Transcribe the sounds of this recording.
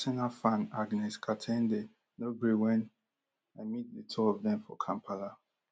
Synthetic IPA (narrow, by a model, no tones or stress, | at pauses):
sanafãnaɡnɛskʰatʰɛ̃nde | nobɹiwɛ̃n | amit̚ðətʰɔɔvðɛ̃ɱfɔ̰kʰãmpʰala